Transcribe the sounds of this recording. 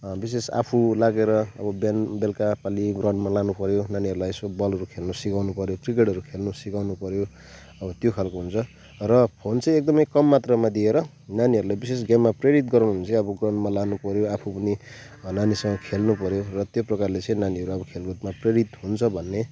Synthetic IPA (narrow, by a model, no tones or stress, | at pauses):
bis̬esa̰pʰulaɡeɾʌʌ̰bʌbjanbelkapaliɡrʌɳɖmalanupʌɾjonaniɦʌɾulajsobʌlɦʌɾukʰelnusikawnupʌɾjokrik̬eʈʌɾukʰelnusikawnupʌɾjo | ʌbʌt̪jokʰalkoɦunt͡sʰʌ | rʌpʰont͡sʌĩek̚d̪ʌmʌjkʌmːat̪rʌmad̪ieɾʌ | naniɦʌɾulajbisesɡamːapreɽit̪ɡʌɾnnt͡sʌĩʌbʌɡrʌnɖmalanupʌɾjoapʰupʌni | nanisʌŋɡʌkʰelnupʌɾjorʌt̪joprʌkarlet͡sʌ̃ĩnaniɦʌɾuʌbʌkʰelɡot̪mapreɽit̪ɦunt͡sʰʌbʱʌnːe